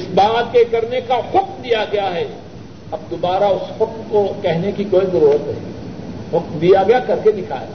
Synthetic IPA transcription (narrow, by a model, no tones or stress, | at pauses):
ɪsbaːt̪̚kekɐɾnekahʊk̚md̪ijaɡɐjaɦɛ | ɐb̚d̪oːbaːɾaʊshʊkmkokɛɦnekikoːizɐɾuːɾət̪ɦɦḭ̃hʊkmd̪ijaɡɐjakɐɾked̪ɪkʰa̰ːḛː